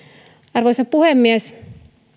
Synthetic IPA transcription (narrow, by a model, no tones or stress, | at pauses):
ɑrʋosɑpuhemːiæs